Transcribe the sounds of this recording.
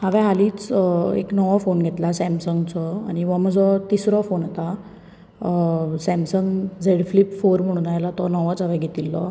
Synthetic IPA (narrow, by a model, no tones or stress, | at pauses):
ɦəʋɛ̃ɦaliːt͡sḛknɔʋafonɡʱet̪lasɛmsəŋɡt͡sɔaɽ̃iʋəm̤əd͡zɔt̪isɾɔfonat̪a | sɛ̃msəŋɡd͡zeɽflipfoɾm̤əɽ̃unajlat̪ɔnɔʋət͡sɦəʋɛ̃ɡʱet̪ilːɔ